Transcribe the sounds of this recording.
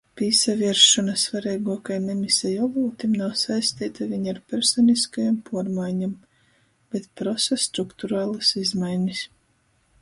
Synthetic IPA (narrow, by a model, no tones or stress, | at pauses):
pʲiːsaviɛɾʃɔnasvaɾɛjɡuɔkajmemisɛjɔluːt̪imnawsajst̪iːt̪avʲiɲaɾpʲɛɾsɔniskajampʰuɔɾmajɲam | b̥et̪̚pɾɔsast̪ɾukt̪uɾaːlˠasizmajnʲis